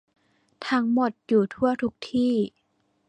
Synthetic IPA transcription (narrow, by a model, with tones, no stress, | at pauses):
t̪ʰa˧˥ŋmo˧˩t̪̚juː˨˩t̪ʰu˥˩ɐt̪ʰu˦˥k̚t̪ʰiː˥˩